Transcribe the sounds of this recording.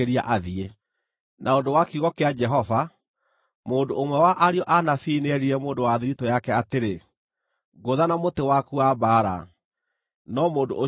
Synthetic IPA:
eɾia̰ʔaðie | nʔaodowakiuɣɔkead͡ʒɛɦɔva | moːndoʔːmwɛwaʔaɾiɔʔanafineɛɾiɾɛmoːndowaðiɾitɔjakɛateɾe | ɡoðanamotewakuabaːɾa̰ | nɔmoːdo̰o

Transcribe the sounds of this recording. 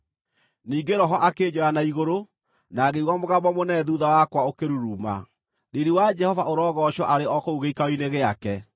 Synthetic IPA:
niːŋɡeɾɔɦɔʔaked͡ʑɔanaiɣoɾo | naɣeiɣwamoɣamɔmonɛðuðawakwaokeɾuɾuma̰ | neɾiwad͡ʒɛhɔvaʔoɾɔɣɔɕɔʔaɾeɔkouɣeikaoineɣeakɛ

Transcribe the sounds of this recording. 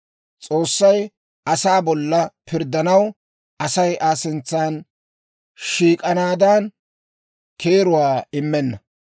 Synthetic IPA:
t͡sʼoːsːɐj | ʔɐsaːbɔlːɐpɪɾd̪ɐnɐw | ʔɐsɐjʔaːsɪnt͡sːaːn | ʃiːkʼɐnaːd̪an | kʰeːɾʊwaːɪmːɛnːɐ

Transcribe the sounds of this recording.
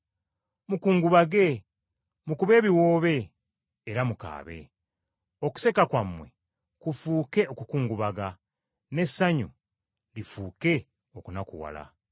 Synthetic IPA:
mukuːŋɡuβaɡe̞ | mukuβe̞ːβiwoːβe̞ː | ɾamuka̰ːβe̞̰ | o̞ku̥se̞kakwamwe̞̰ | kufuːke̞ʔo̞kukuːŋɡuβaɡa | ne̞sːaɲu | lifuːke̞ | okunakuwa̰la̰

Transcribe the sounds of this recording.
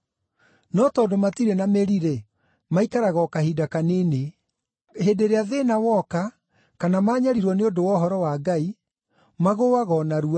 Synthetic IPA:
nɔtɔːdomatiɾɛnameɾiɾe | maikaɾaɣɔkahidakanene | hedeɾeaðenawɔka | kanamaːɲaɾiɾwɔneodowɔɦɔɾɔwaɡai | maɣowaɣɔnaɾua

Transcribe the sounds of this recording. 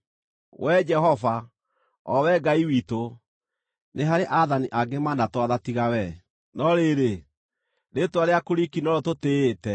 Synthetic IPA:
wɛd͡ʒɛhɔva | ɔwɛɡaiwito | nʔeɦaɾeʔaðaniʔaɡemanatwaðatiɣawɛ | nɔɾeɾe | ɾetwaɾeakoɾikinɔɾɔtoteːtɛ

